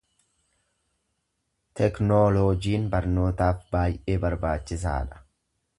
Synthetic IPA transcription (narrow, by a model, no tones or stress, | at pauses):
t̪ɛknoːloːd͡ʒiːnbɐɾno̞ːt̪aːfbaːjʔeːbɐɾbaːt͡ʃːɪsa̰ːᶑɐ̥